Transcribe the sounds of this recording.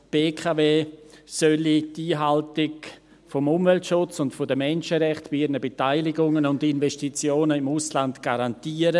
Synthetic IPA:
b̥eːkʰaveːsœlitiːɦaltɪk | fɔmʊmvɛltʃʊt͡sʊntfɔdəmɛnʃəɾɛχtbɪɪɾnəbetaɪlɪɡʊŋənʊndinvɛʃtit͡sjoːnəɪmuslandɡ̥aɾantiːəɾə

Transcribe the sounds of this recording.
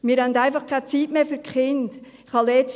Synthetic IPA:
mɪɾhœndaɪfɑχkʰat͡siːtmeːfyɾkχɪnd | χhɑlɛt͡ʃ

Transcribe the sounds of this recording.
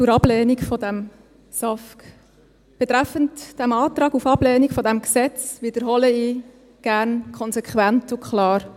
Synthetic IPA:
t͡suɾɑb̥lɛːnikfɔdæm | sɑfk | b̥ɛt̪ɾæfəntd̥æmɑːt̪ɾɑːɡufɑblɛːnikfɔdæmksɛt͡sʋid̥̪əɾɦɔləiː | ɡ̥æɾnkʰɔnsɛkχwæntʊkχlɑːɾ

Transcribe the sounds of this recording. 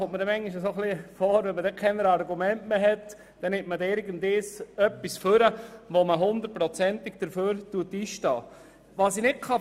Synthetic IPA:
ommədɛmɛŋiʃəsoχlifɔːɾʋɛmədɛkʰɛnəɾɑɾɡumɛntmeɦɛt̪ | d̥ɛnɪmtmədɪɾɡəndɪsœpːisføɾəʋoməɦʊnd̪əɾt̚pɾɔt͡sɛntɪɡ̚d̥əɾføːɾtuətiːʃtɑ̰ː | ʋɑːsinɪt̚kʰɑ

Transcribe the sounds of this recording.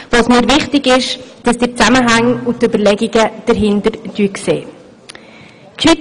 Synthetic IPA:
vɑsmiːɾvɪχtɪɡɪʃd̥əsd̥ɪt͡saməɦaŋʊntybəɾlɛɡiɡ̥əd̥əɾɦɪndəɾd̥yəkseː | kʰi

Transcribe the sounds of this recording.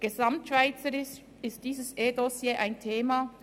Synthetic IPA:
ɡ̥ezamtʃv̥aɪt͡səɾɪs | ɪst̚d̥iːzəsʔeːdosjeːʔaɪntʰeːma

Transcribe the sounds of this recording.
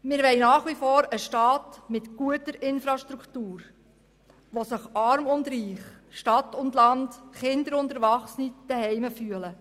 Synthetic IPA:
mɪːɾʋɛɪnɑːχʋifɔːɾəʃtɑːtmɪtɡ̥uətəɾɪnfɾɑʃtɾuktuːɾ | ʋosɪχɑɾmʊndɾiːχʃtɑtʊndlɑndχɪnd̪əɾʊntəɾʋɑχsənid̥əɦɛɪməfyələ

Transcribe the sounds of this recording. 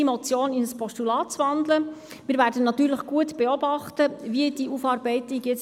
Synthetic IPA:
imɔt͡sjoːninəspɔʃtulɑːtt͡sʋɑnd̪lə | mɪːɾvæːɾdənɑtyːɾləχɡ̥uətb̥eɔbɑχtəviəd̥iʔufɑːɾbɛɪtiɡjɛt͡s

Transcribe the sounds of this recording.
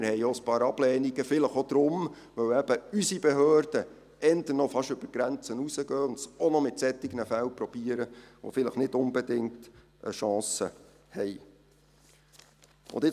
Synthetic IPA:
mɪɾhɛɪjospɑːɾɑb̥lɛːniɡəfɪləχod̥̪ɾʊm | ʋœwæb̥əysibɛɦøːɾd̥ə | ɛnd̪ənɔfɑʃʏb̥əɾɡ̥ɾænt͡sənusəɡœːʊndsonɔmɪt̪sɛt̪ːɪɡnəfæwpɾɔb̥iːəɾəʋo̰fɪləχnɪdʊnbɛdɪŋt | ʔə̰ʃɑ̃ːsə | hɛj | ʊ̰nd̪ɪ

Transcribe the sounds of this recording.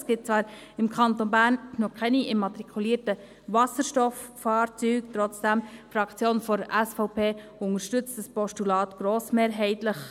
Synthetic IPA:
sɡ̥ɪt̚t͡svɑːɾ | ɪmkʰɑnt̪onbæːɾnnɔkʰɛniemːɑt̪ɾikʰuliːəɾtə | vɑsəɾʃtɔfːɑːɾt͡syːkt̪ɾɔt͡sd̥ɛmfɾɑkt͡sjoːnfɔɾəʔɛsfɔʊpʰeː | ʊnəɾʃtʏt͡std̥əspɔstulɑːt̪ɡ̥ɾoːsmeːɾɦɛɪtləχ

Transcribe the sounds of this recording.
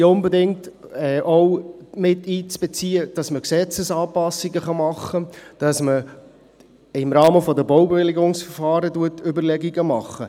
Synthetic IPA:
ʊnbɛdɪŋtɛːʔɔwmɪtːiːt͡sb̥et͡siːəd̥ɑsməksɛt͡səsɑːpɑsːiɡəχɑmɑχːəd̥ɑsmə | ɪmɾɑːməfɔdəbɔwbeʋɪlɪɡʊŋsfəɾfɑːɾəduətʏbəɾlɛɡiɡəmɑχːə

